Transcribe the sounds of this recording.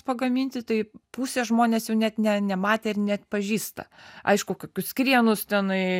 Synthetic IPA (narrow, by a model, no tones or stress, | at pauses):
pɐɡɐmʲiːnʲt̪ʲɪt̪ɐɪpuːsʲeːʒmoːnʲeːsjɛʊnʲæt̪nʲɛnʲɛmɑːt̪ʲeːɪɾnʲɛt̪ʲpɐʒʲiːst̪ɐ̰ɐ̰ɪʃkʊkoːkʲʊskɾʲiɛnʊst̪ʲɛnɐɪ